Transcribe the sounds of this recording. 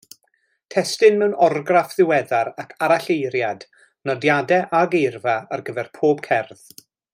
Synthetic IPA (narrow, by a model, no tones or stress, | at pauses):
tʰɛstɨnmɛwnɔrɡrafðɪwɛðaɾakʰaɾaɬejɾjad | nɔdjadɛʔaɡejrvaarɡəvɛrpʰoːb̥kʰɛrð̥